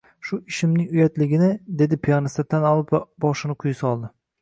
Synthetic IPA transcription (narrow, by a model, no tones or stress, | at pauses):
ʃʊɪʃɪmnɪŋʊjat̪lɪɡʲɪnɪd̪e̞d̪ɪpʰianɪst̪at̪ʰanɒlˠɪpvabɒʃɪnɪqʰʊjsɒlˠd̪ɪ